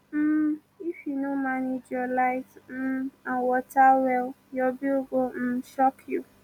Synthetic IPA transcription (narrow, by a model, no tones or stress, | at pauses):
m̩ | ifjunomãned͡ʒɔlaɪtm̩ãnwɔtawɛl | jɔbioɡom̩ʃɔkʰju